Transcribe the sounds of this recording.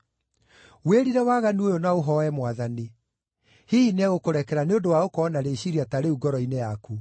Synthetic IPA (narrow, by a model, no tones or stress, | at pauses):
weɾiɾɛwaːɣaniojonaoɦɔɛmwaðani | hiinaɣokoɾɛkɛɾaneondowaokɔnaɾeɕiɾiataɾeuɡɔɾɔinejaku